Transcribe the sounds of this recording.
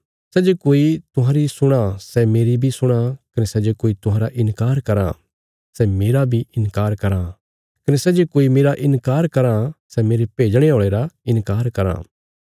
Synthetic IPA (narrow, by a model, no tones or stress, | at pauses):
sɛd͡ʒokoːit̪ʊɦãːɾisʊɽ̃asɛmeːɾibʱisʊɽ̃akɐnesɛd͡ʒokoːit̪ʊɦãːɾaʔɪnkaːɾkɐɾa̰ | sɛmeːɾabʱiʔɪnkaːɾkɐɾã | kɐnɛsɛːd͡ʒeːkoːimeːɾaʔɪnkaːɾkɐɾãsɛmeːɾepeːd͡ʒəɽ̃eoːɭ̃eːɾaɪnkaːɾkɐɾã̰ː